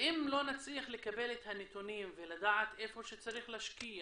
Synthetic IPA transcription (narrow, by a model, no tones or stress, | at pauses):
ʔimlo̞nat͡sliaχle̞kabe̞let̪hanet̪unimvelad̪aʕat̪ʔe̞fo̞ʃet͡saɾiχlaʃkia